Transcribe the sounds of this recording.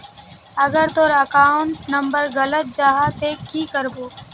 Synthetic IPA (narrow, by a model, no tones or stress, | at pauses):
əɡəɾt̪oːɾəkaːʊɳʈnəmbəɾɣələt̪̚d͡ʒaːɦat̪eːkːiːkəɾboː